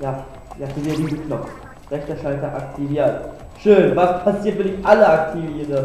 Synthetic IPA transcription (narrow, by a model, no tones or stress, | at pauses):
jaː | jaːfəviːdiːznkʰnɔf | ʁɛçtɐʃaltɐʔaktʰiviːɐt | ʃøːnvaspʰasiːɐt̚vɪnɪçʔaləak̚tʰiviʁə